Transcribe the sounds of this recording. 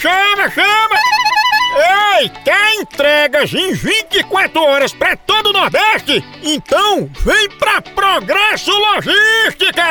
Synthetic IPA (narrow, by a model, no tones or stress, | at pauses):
ʃɐmɐʃɐmɐ | ejt̪aẽt̪ɾɛɡɐzẽj̃vĩt͡ʃɪɪkwat̪ɾʊɔɾɐspɾɐt̪od̪ʊnɔɾd̪ɛʃt͡ʃɪ | ẽnt̪ɐ̃w̃vẽj̃pɾɐpɾoɡɾɛsʊloʒiʃt͡ʃikɐ